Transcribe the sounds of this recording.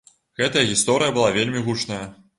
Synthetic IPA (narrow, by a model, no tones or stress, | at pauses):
ɣɛt̪ɐjɐɣʲist̪ɔɾɨjɐbɨlˠavʲelʲmʲiɣut͡ʂnɐjɐ